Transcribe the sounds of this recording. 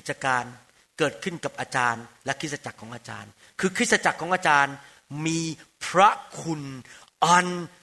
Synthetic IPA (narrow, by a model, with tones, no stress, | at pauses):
i˨˩t̪̚sa˧kaː˧n | kɤː˨˩t̪̚kʰɯ˥˩nka˨˩p̚ʔaː˧t͡ɕaː˧nlɛ˦˥kʰɾt̪̚sa˧t͡ɕa˨˩kʰːɔː˩˦ʔaː˧t͡ɕa̰ː˧n | kʰɯː˧kʰɾt̪̚sa˧t͡ɕa˨˩kʰːɔː˩˦ŋʔaː˧t͡ɕaː˧n | miː˧pʰɾa˦˥kʰu˧n | ʔɔ˧n